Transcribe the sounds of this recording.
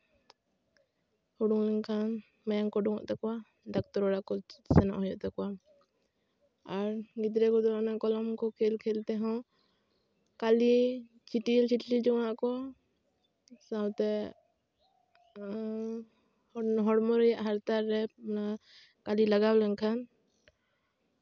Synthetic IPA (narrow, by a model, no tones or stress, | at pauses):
hɔɽuŋlɛŋkʰan | majaŋkɔɖuŋɔ̰ʔt̪ɛkɔwa | d̪ak̚t̪ɔɾɔɽakɔsɛnɔ̰ʔhɔjɔ̰ʔt̪ɛkɔwa | aɾɡid̪ɾɛkɔd̪ɔɔnaʔkɔlɔmkɔkʰɛlkʰɛlt̪ɛɦɔ̃ | kali | t͡ʃiʈilt͡ʃiʈlid͡ʒɔŋaʔkɔ | sawt̪ɛ | hɦɔɽmɔɾɛjaʔɦaɾt̪aɾːɛmna | kalilaɡawlɛŋkʰan